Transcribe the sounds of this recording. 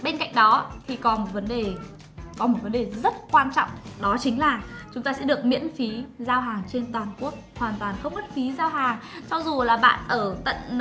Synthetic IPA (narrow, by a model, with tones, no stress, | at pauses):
ɓe˧nka̰˧˨jŋ̟̚ɗɔ˨˦t̪ʰi˨˩kɔ˨˦mo˨˩t̚və˨˦nɗe˨˩ | kɔ˨˦mo˨˩t̚və˨˦nɗe˨˩zə˦˥t̚kwaː˧nt͡ɕɔ̰˧˨wŋ͡mɗɔ˨˦t͡ɕï˨˦ŋ̟laː˨˩t͡ɕʊ˨˦ŋ͡mt̪aː˧sɛ̰˧˥ɗɨ˨˩ək̚mḭ˧˥ənfi˨˦zaː˧wɦaː˨˩ŋt͡ɕe˧nt̪waː˨˩nku˦˥ək̚hwaː˨˩nt̪waː˨˩nxə˧wŋ͡mɓə˦˥t̚fi˨˦zaː˧wɦaː˨˩ŋt͡ɕɔ˧wŋ͡mzu˨˩laː˨˩ɓa̰ː˧˨nʔəː˧˩t̪ə̰˧˨n